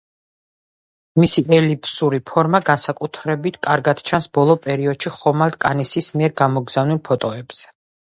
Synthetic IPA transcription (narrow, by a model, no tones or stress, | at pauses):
misiʔɛlipʰʼsuɾipʰɔɾmaɡansakʼut̪ʰɾɛbit̪ʰkʼaɾɡad̪̥t͡ʃʰansb̥ɔlˠɔpʼɛɾiɔd̪̥ʃiχɔmalt̪kʼanisismiɛɾɡamɔɡz̥avnilˠpʰɔt̪ʼɔɛb̥z̥ɛ̥